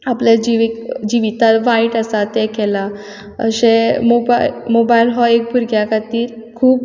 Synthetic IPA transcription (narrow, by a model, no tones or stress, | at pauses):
apljad͡ʑiʋikd͡ʑiʋit̪atʋãiʈasat̪ekɛla | ə̰ɕemobamobailɦɔek̚bʱuɾɡjakat̪iːɾkʰuːp